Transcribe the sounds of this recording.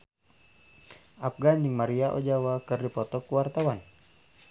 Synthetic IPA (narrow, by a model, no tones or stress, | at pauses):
ʔap̚ɡandiŋmaɾiaʔo̰d͡ʒawakɨrdipɔt̪ɔkuwart̪awan